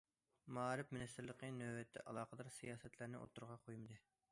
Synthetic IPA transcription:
mɑːɾɪpmɪnɪst̪ɪɾlˠəqʰənøwɛt̪ʰːɛ̰ʔɑlˠɑːqəd̪ɑɾsijɑːsɛt̪ʰlæɾnɪʔo̰t̪ːuɾʁɑqʰojmɨd̪ɨ

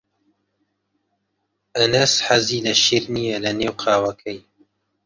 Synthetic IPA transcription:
ʔɐnɐsħaziːlɐʃiːɾnijɛlɐneːwqʰaːwɐkʰɛj

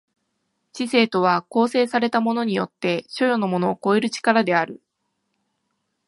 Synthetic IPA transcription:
t͡ɕise̞ːt̪o̞β̞ako̞ːse̞ːsaɾe̞t̪amo̞no̞ɲ̟ijo̞t̪ːe̞ɕo̞jo̞no̞mo̞no̞ːko̞eɾɯ̟t͡ɕi̥kaɾad̪e̞aɾɯ̟

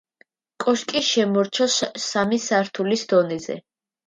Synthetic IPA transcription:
kʼɔʃkʼiʃɛmɔɾt͡ʃʰɔsːamisaɾt̪ʰulisd̪ɔnɛzɛ̰

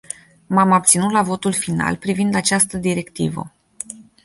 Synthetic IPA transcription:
mamab̚t̪sinut̪lavo̞t̪ulfina̰lpɾivind̪at͡ʃast̪əd̪iɾe̞kt̪ivə̰

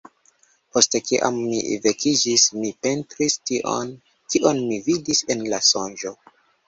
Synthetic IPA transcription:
po̞stekiʔa̰mːḭve̞kid͡ʒismipe̞ntɾistiʔo̰n | kiʔo̞nmividise̞nlasond͡ʒo̞

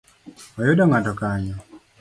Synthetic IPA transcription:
wajudaŋatɔkaɲɔ

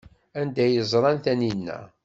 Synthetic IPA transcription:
ænd̪æjəzˤɾˤɑnθæninːæ̰

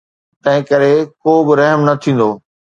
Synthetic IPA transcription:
t̪ɐ̃ɦɪ̃kɐɾekoːbɪɾɐɦmnɐt̪ʰĩːn̆d̪oː

